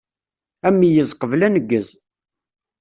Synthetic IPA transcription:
æmːijəzˤqəvlænəɡːəz

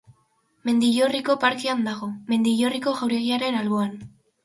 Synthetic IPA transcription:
me̞nd̪iʎoriko̞paɾkeand̪aɣ̞o̞me̞nd̪iʎoriko̞ɣawɾe̞ɣiaɾe̞nalβo̞an

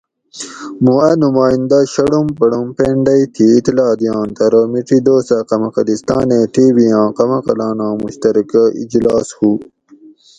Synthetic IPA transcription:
mũɐnumaːĩnd̪ɐɕɐɽumpɐɽumpeːɳɖɐjt̪ʰiːt̪ilɑːd̪ijɑ̃ːnt̪ɐɾoːmiʈid̪oːstɐqɐmɐqɐlist̪ɑːneʈiːbijɑ̃ːqɐmɐqɐlɑːnãːmuɕt̪ɐɾikɐḭd͡ʑlɑːshu

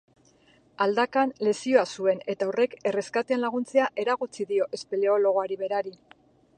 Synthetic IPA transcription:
ald̪akanle̞sio̞asue̞ne̞t̪aure̞ke̞re̞skat̪eanlaɣ̞unt͡se̞aʔe̞ɾaɣut͡siðio̞ʔe̞spele̞o̞lo̞ɣ̞oaɾiβe̞ɾaɾi

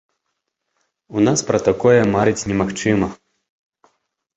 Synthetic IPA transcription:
unaspɾɐt̪akɔjɛmaɾɨt͡sʲnʲɛmaxt͡ʂɨmɐ

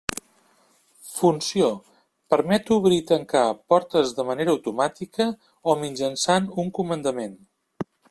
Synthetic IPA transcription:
funsio | pəɾmɛt̪uβɾit̪əŋkapɔɾt̪əzðəməneɾəəwt̪umat̪ikə | omind͡ʒənsanuŋkumənd̪əmen

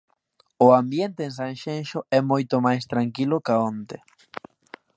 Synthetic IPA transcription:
oambjent̪ẽːns̬ãnʃenʃoɛmojt̪omajst̪ɾaŋkilokaont̪e

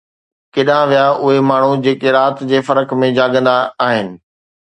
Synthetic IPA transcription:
keːɗãʋijaʔʊɦemaːɳ̤ud͡ʑeːkeɾaːt̪d͡ʑeːfɐɾəkmẽd͡ʑaːɠə̃nd̪aːɦɪnɪ̆

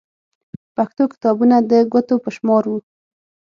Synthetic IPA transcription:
paxt̪okɪ̥t̪ɑbunad̪əɡʷət̪opəʃmɑɾwu

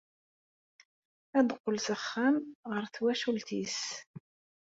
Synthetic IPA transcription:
æd̪qːəlsəχːæmʁəɾθwæʃult̪is

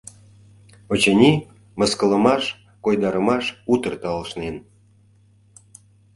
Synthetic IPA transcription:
ot͡ɕenʲi | mə̆skə̆lə̆mɑʃ | kojd̪ɑɾə̆mɑʃut̪ərt̪ɑlʃnen

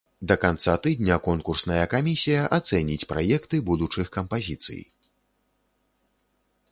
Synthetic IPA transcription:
d̪ɐkant̪sat̪ɨd̪ʲnʲɐkɔnkursnɐjɐkamʲisʲijɐʔat̪sɛnʲit͡sʲpɾa̰jɛkt̪ɨbud̪ut͡ʂɨxkɐmpazʲit̪sɨ̰j

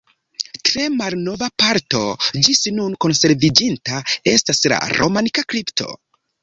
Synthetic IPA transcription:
tɾe̞malno̞vapaɾto̞d͡ʒisnunko̞nse̞ɾvid͡ʒintae̞stasla̰ɾʔo̞̰manikakɾiptʰo̞̰

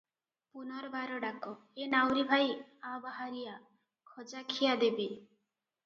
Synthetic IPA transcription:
punɔɾɔbʱaɾɔɖakɔenawɾibʱajabaɦaɾija | kʰɔd͡ʒakʰijad̪ebi

